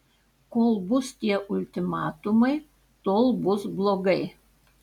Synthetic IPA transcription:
koːlˠbʊst̪ʲiɛʔʊlʲt̪ʲɪmɑːt̪ʊmɐɪ | t̪oːlˠbʊsblˠoːɡɐɪ

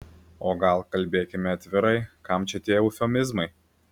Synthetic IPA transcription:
oːɡɐlˠkɐlʲbʲeːkʲɪmʲɪɐt̪ʲʋʲɪɾɐɪkɐmt͡ʃʲɛt̪ʲeːjɛʊfʲɛmʲɪzmɐɪ

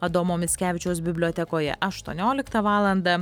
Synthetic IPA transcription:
ɐd̪oːmoːmʲɪsʲkʲæːʋʲɪt͡ʃʲɛʊsbʲɪbʲlʲoɔːt̪ʲɛkoːjɛ̰ʔɐʃt̪uɔnʲoːlʲɪkt̪ɐʋɑːlˠɐnd̪ɐ

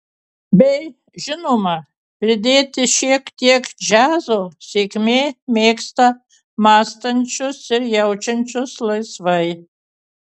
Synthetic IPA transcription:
bʲɛj | ʒɪnomɐ | pʲɾʲɪd̪ʲeːt̪ʲɪʃiɛkt̪ʲiɛkd͡ʒazosʲekʲmʲeːmʲeːkst̪ɐ | maːst̪ɐnʲt͡ʃʰʊsɪrjɛwt͡ʃɐnʲt͡ʃʰʊslˠɐjsvɐj

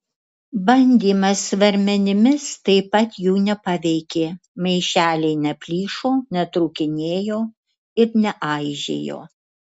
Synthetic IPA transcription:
bɐnʲd̪ʲiːmɐsʋɐɾʲmʲɛnʲɪmʲɪst̪ɐɪpɐt̪juːnʲɛpɑʋʲɛɪkʲeːmɐɪʃʲæːlʲɛɪnʲɛpʲlʲiːʃoːnʲɛt̪ɾuːkʲɪnʲeːjoː | ɪɾnʲɛʔɑɪʒʲḛːjo̰ː

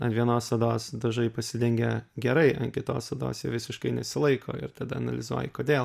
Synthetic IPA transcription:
ɐʋʲiɛnoːssɐd̪oːsd̪ɐʒɐɪpɐsʲɪd̪ʲɛŋʲɡʲɛɡʲɛɾɐɪʔɐnkʲɪt̪o̰ːssɐd̪o̰ːsjɛʋʲɪsʲɪʃkɐɪnʲɛsʲɪlˠɐɪko̰ːɪ̰ɾt̪ɐd̪ɐɐnɐlʲɪzuɔjɪkoːd̪ʲeːlˠ

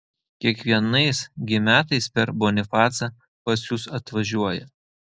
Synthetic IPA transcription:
kʲiɛkʋʲiɛnɐɪsɡʲɪmʲæːt̪ɐɪspʲɛɾbonʲɪfɑːt̪sɐ | pɐsjusɐt̪ʋɐʒʲuɔjɛ̰

